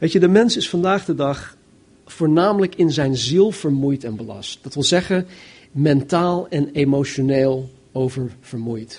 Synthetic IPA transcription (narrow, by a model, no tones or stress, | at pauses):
ʋejtədəmɛnsɪsfɑndaːχdədɑχ | foːɹnaːmələkɪnzɛjnzilˠv̥əɹmujtɛnbəlɑ̰st̚d̥ɑtʋɪlˠzɛχən | mɛntaːlˠɛnemoʃoneːlˠ | owvəɹv̥əɹmujt